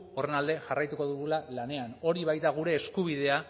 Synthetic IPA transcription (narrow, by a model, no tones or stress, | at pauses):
o̞re̞nald̪e̞ʝarajt̪uko̞ðuɣulalane̞ano̞ɾiβajt̪aɣ̞uɾe̞ːskuβ̞ið̞e̞a